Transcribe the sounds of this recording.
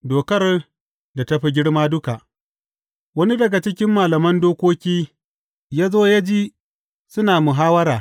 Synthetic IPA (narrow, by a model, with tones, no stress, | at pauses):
doː˨kɐ˦r | da˨tɐ˦ɸi˨ɡʲɪ˦ɽmaː˦dʊ˦ka˨ʔ | wɐ˦ni˦dɐ˨ɡa˨t͡ʃɪ˦kʲɪ˦mːaː˨lɐ˨mɐ˦ndoː˦kʷoː˦kʲiː˦ | jaː˦zoː˦ja˦d͡ʒiː˦ | sʊ˦naː˨mʊ˨ɦaː˦wɐ˦ɾaː˨